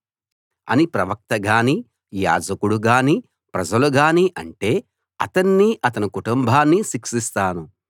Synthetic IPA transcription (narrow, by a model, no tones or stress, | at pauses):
ɐ̰nipɾɐʋɐk̚t̪ɐɡaːni | ja̰ːd͡ʒɐkuɽuɡaːni | pɾɐd͡ʒɐluɡaːniʔɐɳʈe̞ː | ɐ̰t̪ɐnːiʔɐt̪ɐnikuʈumbʱaːnːisikʂist̪aːnu